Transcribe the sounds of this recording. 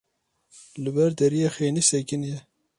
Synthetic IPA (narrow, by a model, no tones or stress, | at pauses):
lɨbɛɾd̪ɛɾijexeːnisɛkinjɛ